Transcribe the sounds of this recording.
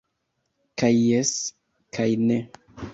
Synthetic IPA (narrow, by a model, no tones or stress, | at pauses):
kajːes | kʰajne